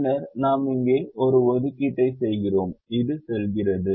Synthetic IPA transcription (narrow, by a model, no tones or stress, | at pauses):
nɐɾnaːmɪŋɡeːʔɔɾɯʋɔðɯkːiʈːɐɪsɛjɣɪroːmɪðɯsɛlɣɪrɐðɯ